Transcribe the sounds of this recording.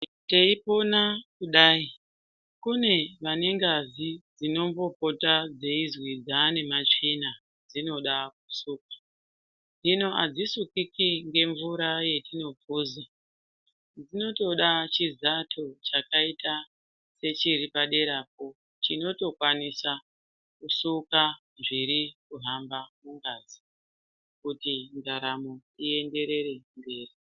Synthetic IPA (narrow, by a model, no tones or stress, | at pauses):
te̞ipo̞nakuɗaːi | kune̞ʋane̞ŋɡazid͡zino̞mbo̞po̞tad͡ze̞izwid͡zaːne̞mat͡ʃina | d͡zino̞ɗak̚usuːk̚ḁ | d͡zino̞ʔa̰d͡zisukikiŋɡe̞ɱvuɾaje̞tino̞b͡vʱuːza | d͡zino̞to̞ɗat͡ʃizatʰot͡ʃakaita | se̞t͡ʃiɾipaɗe̞ɾap̚o̞ | t͡ʃino̞to̞kwanisa | kusuka | ʐiɾikuɦambamuŋɡaːzi | kutindaɾamotie̞nde̞ɾe̞ɾe̞mbe̞ːri